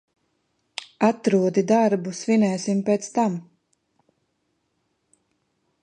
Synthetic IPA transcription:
at̪ɾuɔd̪id̪aɾbusvinɛːsimpeːt̪st̪am

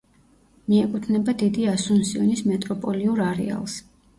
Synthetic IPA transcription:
miɛkʼut̪ʰnɛbad̪id̪iasunsiɔnismɛt̪ʼɾɔpʼɔliuɾaɾɛ̰a̰lˠs

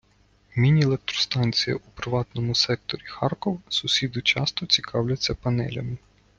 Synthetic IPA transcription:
mʲinʲielˠek̚t̪ɾɔst̪ɑnʲt͡sʲijɐ̰ʔupɾɪʋɑt̪nɔmʊsɛk̚t̪ɔɾʲixɑrkɔwsʊsʲid̪ʊt͡ʃɑst̪ɔt͡sʲikʰɑwlʲɐt͡sʲːɐpɐnɛ̰lʲɐ̰mɪ

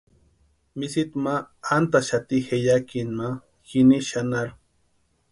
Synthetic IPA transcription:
misit̪maant̪aʃat̪ixejakinma | xiniʃanaɾ

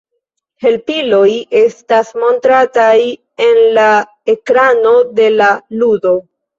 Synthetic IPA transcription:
he̞lpilo̞je̞stasmo̞ntɾataj | e̞nla | e̞kɾano̞de̞laludo̞

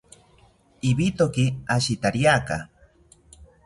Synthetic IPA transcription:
ibit̪okiaʃit̪aɾjaka̰

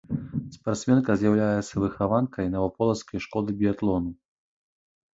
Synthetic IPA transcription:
spart̪smʲɛnkɐzʲjawlʲajɛt̪sːɐvɨxavankʰɐjinɐvɔpɔlˠɐt̪skɐjʂkɔd̪ɨbʲiat̪lˠɔnu

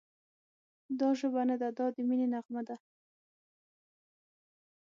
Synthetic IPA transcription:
d̪ɑʒəbanad̪ad̪ɑd̪əminenaɣmad̪a

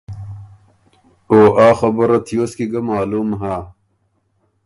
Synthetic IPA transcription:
oːʔaːxɐbɐɾɐt̪ʰijoːskiɡɐmaːluːmɦaː

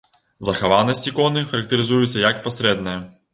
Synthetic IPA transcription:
zɐxavanɐsʲtʲikɔnɨxɐɾɐk̚t̪ɨɾɨzujut̪sːɐjɐkpasɾɛd̪nɐjɐ

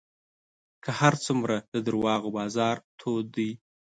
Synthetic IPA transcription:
kʰəhaɾt͡sumɾad̪̥əd̪əɾwɑɣobɑzɑɾt̪ʰod̪əj

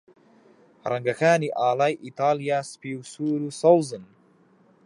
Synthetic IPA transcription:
ɾɐŋɡaxaːniʔaːlaːjʔit̪aːlijaːspiwsuːɾusawzɨn

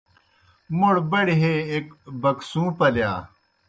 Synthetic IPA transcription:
moɽbɐɽiɦeːkbɐksũːpɐljaː

